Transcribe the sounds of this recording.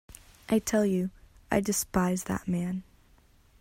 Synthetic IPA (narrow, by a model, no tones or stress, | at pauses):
ʔaɪtʰɛlˠjɨ | ʔaɪdɨspaɪzðə̰t̚mæ̃n